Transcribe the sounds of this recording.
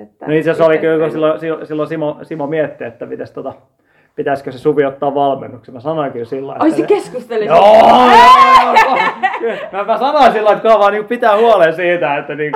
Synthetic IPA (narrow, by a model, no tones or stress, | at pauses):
noit̪sesolikylkosilːosisilːosimosimomiet̪ːḛet̪ːæmit̪æst̪ot̪ɑ | pit̪æiskøsesuʋiot̪ːɑːʋʋɑlmḛnːuksemæsɑnoikylsilːɑ̰ḭoisekeskust̪elːojoo | kylmæmæsɑnoinsilːɑit̪kuɑʋɑːniːŋkupit̪æːhuɑlensiːt̪æet̪ːæniːŋk